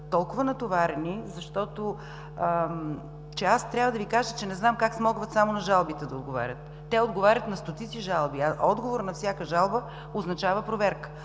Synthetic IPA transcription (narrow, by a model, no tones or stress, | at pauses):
t̪ɔlˠkʊvənɐt̪ovaɾɛnizɐʃt̪ɔt̪o | t͡ʃɛast̪ɾʲjavəd̪ɐvikaʒət͡ʃɛnɛznamkaksmɔɡvət̪samonɐʒalˠbit̪ɛd̪ɐod̪ɡova̰ɾʲət̪ːɛod̪ɡovaɾʲət̪nɐst̪ot̪itsiʒalˠbiaʔɔd̪ɡovoɾnɐfsʲjakəʒalˠbə | oznɐt͡ʃavəpɾovɛɾkə̥